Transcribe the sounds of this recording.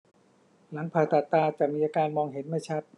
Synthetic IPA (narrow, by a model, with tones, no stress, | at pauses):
la˩˦ŋpʰaː˨˩t̪ːa˨˩t̪ːaː˧t͡ɕa˨˩miː˧ʔaː˧kaː˧nmɔː˧ŋɦe˩˦nma˥˩jt͡ɕʰa˦˥˩t̪̚